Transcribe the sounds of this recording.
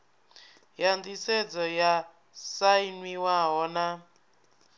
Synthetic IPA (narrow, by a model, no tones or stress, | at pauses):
jandisɛd͡zɔja | sainwiwaɦɔna